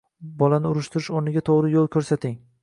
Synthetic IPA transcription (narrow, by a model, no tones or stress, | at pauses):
bɒlanɪʊɾʊʃt̪ʰɪɾɪʃoɾnɪɡʲat̪ʰoʁɾɪjolˠkʲʰɵɾsat̪ʰɪŋ